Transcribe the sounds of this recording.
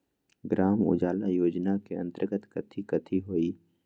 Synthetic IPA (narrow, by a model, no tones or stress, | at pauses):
ɡɾaːmʊ̰d͡ʒaːlajoːd͡ʒnakeə̰̃nt̪əɾɡət̪kɐt̪ʰikɐt̪ʰiɦoːiː